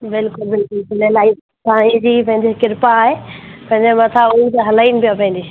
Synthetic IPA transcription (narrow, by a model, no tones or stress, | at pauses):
bɪlkʊlbɪlkʊlsɪlelaːi | t̪aːɦĩd͡ʑipɐ̃ɦɪ̃nd̪ikɪɾpaːɦepɐ̃ɦɪ̃ɲd͡ʑemɐt̪ʰaʊit̪ɐɦɐlaːinɪpijapɐ̃ɦnd̪i